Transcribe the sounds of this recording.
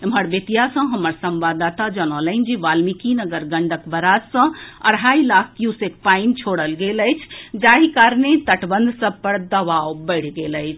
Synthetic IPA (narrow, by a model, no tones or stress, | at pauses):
əməɾbet̪ijasə̃ɦəməɾsəmbad̪at̪ad͡ʒənələɪnd͡ʒiʋalmikinəɡəɾɡəɳɖəkbəɾad͡ʒsə̃ə̰ɽɦailak̚ʰkjusekpaint͡ʃʰoɽəlɡeləjt͡ʃʰd͡ʒaɦikaɾnet̪əʈbənd̪ʱsə̃b̚pəɾd̪əʋawbəɪɽ̤ɡeləɪt͡ʃʰ